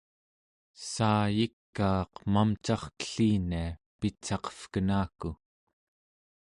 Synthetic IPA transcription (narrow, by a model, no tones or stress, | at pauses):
saːjikːɑːqmamt͡ʃɑχkə̥ɬiːnia | pit͡ʃːɑqʌ̥fkənaːku